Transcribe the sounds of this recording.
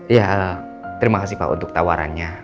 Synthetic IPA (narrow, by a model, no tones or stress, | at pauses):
jaə | t̪əɾimakasipa̰ʔṵnt̪ʊk̚t̪awaɾa̰nɲa